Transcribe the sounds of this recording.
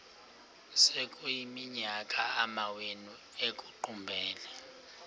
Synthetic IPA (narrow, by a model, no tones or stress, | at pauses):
sekʼujimiɲakʼaamawenu | ekʼuǃumbʱɛːlɛ